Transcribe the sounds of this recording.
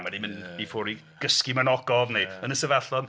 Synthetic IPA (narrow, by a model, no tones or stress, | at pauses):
manimɪnbifɔɾi | ɡ̥əskimanɔɡɔvned̥ənəsəvaɬɔn